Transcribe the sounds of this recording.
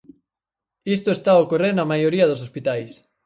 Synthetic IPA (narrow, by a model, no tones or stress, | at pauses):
ist̪oest̪aokoreɾnɐmajoɾiɐðos̬ospit̪ajs